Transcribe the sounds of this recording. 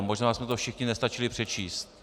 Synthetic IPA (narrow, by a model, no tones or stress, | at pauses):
moʒnaːsmɛt̪ofʃɪxɲɪnɛst̪at͡ʃɪlɪpr̥ɛt͡ʃiːst̪